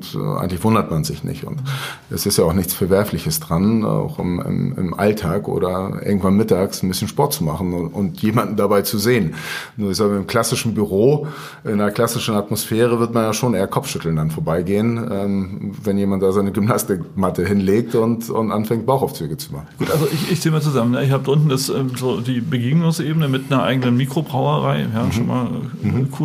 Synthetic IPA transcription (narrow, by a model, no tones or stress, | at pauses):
tːʔa̰ɪɡŋ̩tlɪçv̥ʊndɐtmanzɪ̰çnɪ̰çtʊ̰nt | ʔɛsɪstjaaʊxnɪçt͡sfɛɐvɛɐflɪçəsd̥ʁana̰ʊxɪ̰mɪ̰mɪ̰mʔa̰ltʰaːkʔo̰ːɾɐʔɪ̰ɐɡŋ̩tv̥anmɪtaːksn̩bɪsçən̩ʃpɔɐtt͡sumaχn̩ʊ̰ntjeːmandn̩dabaɪt͡suzeːənnuːɐɪçszaːɡmaɪmkʰl̥asɪʃn̩byʁoː | ʔɪnɐkl̥asɪʃn̩atmosfɛːʁ̞əvɪɐtmanjaːʃoːnʔeːɐkʰɔp͡fʃʏtl̩ndanfoːɐbaɪɡeːənʔɛːmvɛnjeːmant̚d̥aːzaɪnəɡymnastɪkmatəɦɪnleːk̚tʊntʊ̰ntʔanfɛŋt̚b̥aʊxaʊft͡syːɡət͡sumaχn̩ɡ̥uːtʔalzoʔɪçɪçz̥eːmaːt͡suzamənjaːɪçhaːbədʔʊntn̩dasʔɛːmzoːdiːbəɡiːɡnʊŋsʔeːbənəmɪtnɐʔa̰ɪɡənənmiːkʁ̥obʁaʊɐʁaɪjaːʃoːnma̰ːl̰ | kʰu